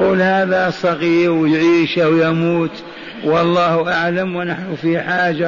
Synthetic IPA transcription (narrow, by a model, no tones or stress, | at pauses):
uːlhaːðasˤɑɣiːɾwjʕiːʃawjamuːt̪ | wɑlˤːɑːhʔaʕlamwɪnaħnʊfiħaːd͡ʒa